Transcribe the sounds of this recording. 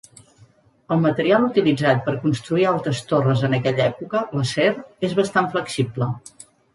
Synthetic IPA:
əlˠmət̪əɾialˠut̪ilid͡zat̪̚pəɾkunst̪ɾuialˠt̪ɾəst̪orəzənəkɛʎɛpukələsɛrezβəst̪aɱfləksiblə

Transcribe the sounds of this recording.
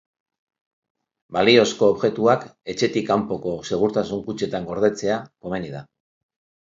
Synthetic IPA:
balio̞sko̞ːβʝe̞t̪uake̞t͡ʃe̞t̪ikampo̞ko̞se̞ɣ̞uɾt̪asuŋkut͡ʃe̞t̪aŋɡo̞ɾðe̞t͡se̞ako̞me̞niða

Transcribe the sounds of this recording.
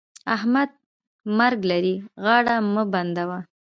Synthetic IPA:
ahmad̪̚ | maɾɡlaɾiɣɑɽaməband̪awa

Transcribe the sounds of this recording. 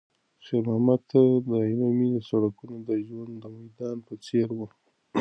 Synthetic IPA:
ʃeɾmahmat̪ad̪əilamid̪əsaɽakunod̪əʒwand̪əmajd̪ɑnpət͡seɾwə

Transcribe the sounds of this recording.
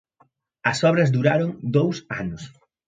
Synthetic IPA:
ɐsɔβɾɐzd̪uɾaɾoŋd̪owsa̰nʊs

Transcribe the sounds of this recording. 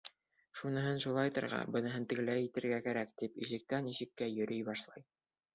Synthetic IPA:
ʃunɤ̆ɦɤnʃulˠɑjt̪ɤ̰̆ɾʁɑ̰bɤ̆nɤ̆ɦɤnt̪ɘ̆ɣlæjɘ̆t̪ɘ̆ɾɡækæɾækt̪ipḭʃɘ̆k̚t̪ænisɘ̆kːæjɵ̆ɾɵjbɑʃlˠɑ̰j

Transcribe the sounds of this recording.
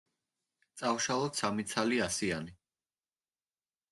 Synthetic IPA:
t̪sʼawʃalˠɔt̪samit̪sʰaliasiani

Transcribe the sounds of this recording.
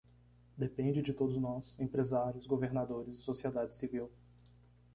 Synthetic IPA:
d̪epẽnd͡ʒɪd͡ʒɪt̪od̪ʊznɔsẽpɾezaɾjʊzɡoveɾnad̪oɾɪzɪsosied̪ad͡ʒɪsiviw

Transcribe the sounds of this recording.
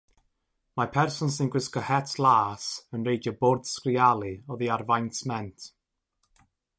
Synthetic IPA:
mapʰɛrsənsɪ̃nɡwɪskəhɛtʰlaːsə̃nɹejdəbɔrd̥skrialˠiɔðiadvajnsmɛntʰ

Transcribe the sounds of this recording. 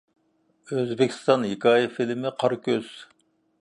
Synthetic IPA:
øzbɪkʲʰi̥st̪ɑnɦikʰɑːjɪfilmɪqʰɑɾkʲøz̥

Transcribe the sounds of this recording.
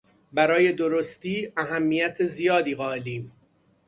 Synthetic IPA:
bæɾɒːje̞d̪oɾost̪iːʔæɦæmːijæt̪ʰezijɒːd̪iːɣɒːeliːm

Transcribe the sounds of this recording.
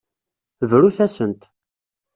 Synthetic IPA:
vɾuθæsənt̪

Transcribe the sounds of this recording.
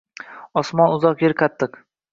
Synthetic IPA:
ɒsmɒnʊzɒqjeɾkʰat̪ʰːɨq

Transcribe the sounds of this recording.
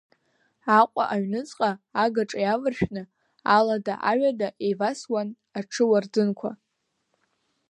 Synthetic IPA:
aqʷʼa̰ʔaɥnɨt͡sʼqʼaːɡaʈ͡ʂʼajavɨrʃᶣnɨ | aladaʔaɥadaʔejvaswan | aʈ͡ʂʰɨward͡zɨnkʷʰa

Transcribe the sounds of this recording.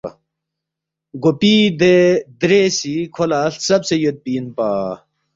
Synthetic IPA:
ɡopid̪ed̪ɾesikʰolaɬsɐbsejot̪̚piːnpaː

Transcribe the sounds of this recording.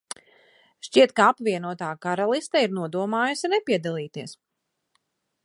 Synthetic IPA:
ʃt͡ʃiɛt̪̚kaapvʲiɛnuɔt̪aːkaɾalˠist̪aiɾnuɔd̪uɔmaːjusʲinɛpiɛd̪alˠiːt̪iɛs

